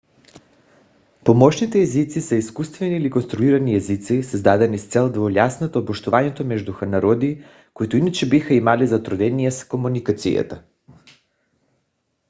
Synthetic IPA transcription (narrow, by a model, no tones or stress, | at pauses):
pomɔʃnit̪ɛːzit̪sisɛiskust̪vɛnilikonst̪ɾuiɾaniɛzit̪sisɛzd̪ad̪ɛnist̪sɛlˠd̪volʲjasnat̪oːboʃt̪uvaɲɛt̪omɛʒd̪uxanaɾɔd̪i | koit̪oinat͡ʃɛbixaimalizat̪ɾod̪ɛniɛskomunikat̪sḭja̰t̪a